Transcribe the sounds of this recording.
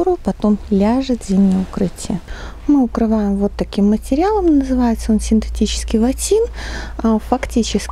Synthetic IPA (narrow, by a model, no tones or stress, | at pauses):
uɾʊpɐt̪o̞mlʲaʐɨt̪zʲimʲnʲəʊkɾɨtʲɪjə | mɨʊkɾɨvajɪmvo̞t̪ːɐkʲimːətʲɪɾʲɪalˠəmnəzɨvajɪt̪səo̞nsʲɪnt̪ɨtʲit͡ɕɪ̥skʲɪjvɐtʲinafɐktʲit͡ɕɪsʲ